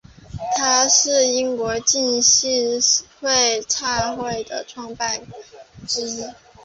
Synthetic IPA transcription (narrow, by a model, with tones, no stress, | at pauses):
t̪ʰa˥ʂɻ̩˥˩i˥ŋkwɔ˧˥t͡ɕi˥˧nɕi˥˧xwe˥˧ɪʈ͡ʂʰa˥˧xwe˥˩ɪd̪ə˩ʈ͡ʂʰwɑ˥˧ŋpa˥˩nʈ͡ʂɻ̩˥˩